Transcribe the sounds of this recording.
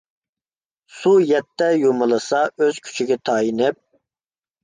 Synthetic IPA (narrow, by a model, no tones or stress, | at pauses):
sujɛt̪ʰːɛjomɨlˠɨsɑøz̥kʲʰy̥t͡ʃʰiɡʲɛt̪ʰɑːjinɪp̚